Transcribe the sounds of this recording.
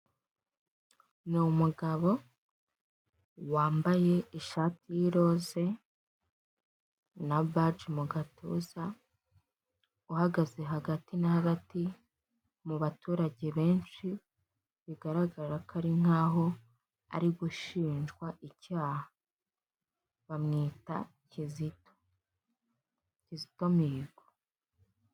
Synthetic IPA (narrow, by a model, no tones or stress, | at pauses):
nomuɡaβo̞ | waːmbaje̞iʃaːtijiɾo̞ːze̞ | nabad͡ʒmuɡatʰuːza | uhaɡaze̞ɦaɡatinahaɡati | muβatuːɾaɟe̞βe̞ːnʃi | βiɡaɾaɡaɾakʰaɾiŋ̥aːɦo̞ | a̰ɾiɡuʃiːnʒɡwaʔicaːha | βamŋiːta̰ | cizito̥ | cizi̥to̞miːɡwo